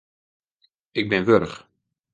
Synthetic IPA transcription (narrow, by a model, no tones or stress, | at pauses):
ɪɡ̚bɪnʋøɾəχ